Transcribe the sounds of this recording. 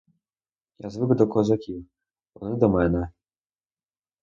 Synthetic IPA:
jazvɨkd̪ɔkɔzakʲi | ɔnɨd̪ɔmɛnɛ

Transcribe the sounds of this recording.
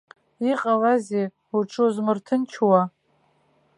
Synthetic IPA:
iqʼalaze | uʈ͡ʂʰozmɨrtʰɨnt͡ʃʰwa

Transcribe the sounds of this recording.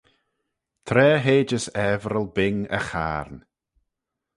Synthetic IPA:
t̪ʰɾɛːɦeːd͡ʒəsɛvɾəlˠbɪŋə̰xa̰ːɾn

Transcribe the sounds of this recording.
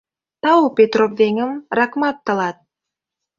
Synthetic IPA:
t̪ɑwpʲet̪ropd̪eŋə̆mrɑkmɑt̪ːɤ̆lɑt̪̚

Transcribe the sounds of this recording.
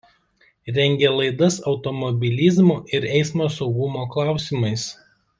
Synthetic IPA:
ɾʲɛŋʲɡʲeːlˠɐɪd̪ɐsɒʊt̪ɔmɔbʲɪlʲɪzmuˑʔɪɾɛɪsmoːsɒʊɡʊmoːklˠɑˑʊsʲɪmɐɪs

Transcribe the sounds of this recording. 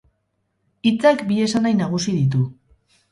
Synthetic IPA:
it͡sakbie̞sanajnaɣ̞usiðit̪̬u

